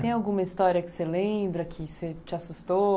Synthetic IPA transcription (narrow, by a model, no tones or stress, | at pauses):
t̪ẽj̃awɡũmɐist̪ɔɾiɐkɪ̥selẽbɾɐkʰɪset͡ʃɪasust̪o